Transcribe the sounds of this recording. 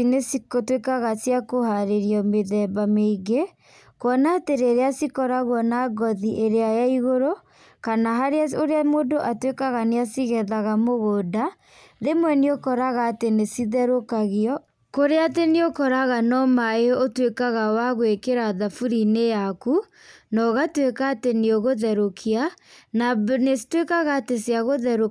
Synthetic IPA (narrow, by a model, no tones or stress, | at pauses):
inesikotwekaɣasiakohaɾeɾiɔmeðɛːbameɡe | kwɔnateɾeɾeasikɔɾaɣwɔnaɡɔðiʔeɾeajaiɣoɾo | kanaɦaɾeaoɾeamoːdoʔatwekaɣaneasiɣɛðaɣamoɣoda | ðemwɛneokɔɾaɣaːtenesiðɛɾokaɣiɔ | koɾeateneokɔɾaɣanɔmaeɔotwekaɣawaɣwekeɾaðafuɾinejaku | nɔɣatwekaːteneoɣoðɛɾokʰiananesi̥twekaɣaːtesjaɣoðɛɾo